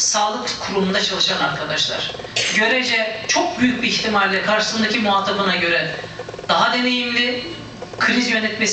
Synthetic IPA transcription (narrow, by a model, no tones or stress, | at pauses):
saːlˠɯkkʰuɾumund̪at͡ʃʰalˠɯʃanaɾkʰad̪aʃlˠa̰ɾ̥ɟø̞ɾed͡ʒɛt͡ʃʰo̞k̚byjyc̚ʲbiiçt̪ʰimaɾʲlʲɛkʰaɾʃɯ̥sɯnd̪acʰimuɦaːt̪ʰːabɯnaɟø̞ɾɛd̪̥aɦad̪e̞ne̞jimlʲɪ | kʰɯɾizjø̞nɛt̪mes